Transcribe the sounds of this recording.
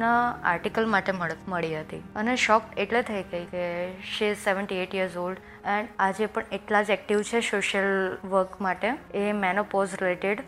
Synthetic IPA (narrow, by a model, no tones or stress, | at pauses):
naa̰ɾʈikəlmaʈeməɭiɦət̪iəneʃɔkeʈlet̪ʰəjɡəjkeʃiɪzseʋəɳʈieʈjiəɾzolɖ | ɛ̃ɳad͡ʒepəɳeʈlad͡ʒɛk̚ʈiʋt͡ʃʰesoʃəlʋəɾkmaʈeemɛnopozɾileʈeɽ